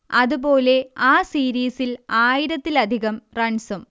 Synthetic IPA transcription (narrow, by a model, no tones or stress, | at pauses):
ɐðubo̞ːle̞aːsiːɾiːsilaːjiɾɐt̪ːilɐd̪ʱiɣɐmrɐɳsɐm